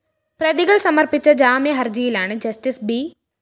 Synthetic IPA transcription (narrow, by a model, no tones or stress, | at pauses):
prɐðiɣɐɭsɐmɐrpit͡ɕːɐd͡ʑaːmjɐɦɐrd͡ʑɐjilaːɳɨd͡ʑɐsʈisbi